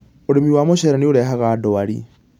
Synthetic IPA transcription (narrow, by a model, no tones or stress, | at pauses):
oɾemiwamoʃɛɾaneoɾɛɦaɣadɔwaɾḭ